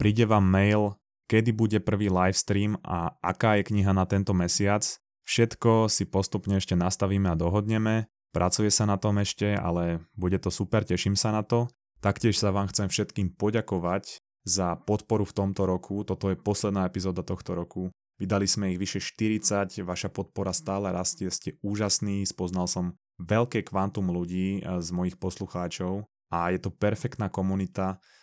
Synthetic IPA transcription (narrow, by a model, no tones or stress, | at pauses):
pɾiːɟɛʋaːmːɛjl | kɛd̪ibuɟɛpr̩ʋiːlajfst̪ɾiːmʔa̰ʔa̰kaːjɛkɲiɦanat̪ɛnt̪ɔmɛsɪat͡s | fʃɛt̪kɔsipɔst̪upɲɛɛʃcɛnast̪aʋiːmɛad̪ɔɦɔd̪ɲɛmɛ | pɾʔat͡sujɛsanat̪ɔmɛʃcɛa̰lɛbuɟɛt̪ɔsupɛɾcɛʃimsanat̪ɔ | t̪akcɪɛʃsaʋaːmxt͡sɛmfʃɛt̪kiːmpɔɟakɔʋac | zapɔt̪pɔɾuft̪ɔmt̪ɔɾɔkʰut̪ɔt̪ɔjɛpɔslɛd̪naːɛpizɔːd̪at̪ɔxt̪ɔɾɔku | ʋid̪alizmɛiɣʋiʃɛʃt̪iɾit͡sacʋaʃapɔt̪̚pɔɾast̪aːlɛɾascɛscɛuːʒasniːspɔznalsɔm | ʋɛʎkɛːkʋant̪umluɟiːzmɔjixpɔsluxaːt͡ʃɔʊ | ajɛt̪ɔpɛɾfɛkt̪naːkɔmunit̪a